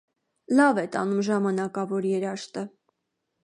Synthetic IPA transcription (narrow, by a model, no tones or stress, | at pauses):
lɑvɛt̪ɑ̰numʒɑmɑnɑkɑvɔɾjɛɾɑʃt̪ə